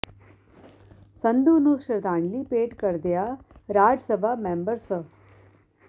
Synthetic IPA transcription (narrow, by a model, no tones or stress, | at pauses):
sɐnd̪uːnuːʃɐɾt̪aːɳlipeːʈkɐɾd̪ejaːɾaːd͡ʒsɐbʱamembɐɾsə